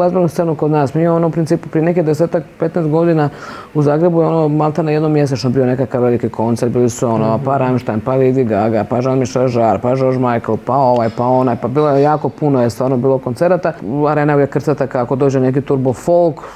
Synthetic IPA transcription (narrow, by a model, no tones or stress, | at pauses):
lazbiɾnust̪enukod̪naːsmimoonoupɾint̪siːpu̥pɾijenekid̪ese̞ːt̪akpet̪nest̪ɡo̞d̪ina | uzaːɡɾebujeonomalˠt̪anajed̪nomjes̬et͡ʃnobiːjo̞ne̞kakaʋʋelikikʰo̞nt̪seɾd̪biːlisuonopaɾamʃt̪ajmpalid̪iɡaɡapaʒanmiʃaʒaɾpad͡ʒoɾʒmajklˠpao̞ʋajpao̞najpabiːlojejaːko̞punojest̪ʋaːɾnobiːlˠokont̪se̞ɾat̪aaɾeːnaujekr̩t̪sat̪akaako̞d̪oːd͡ʑenek̬it̪uɾbofolˠk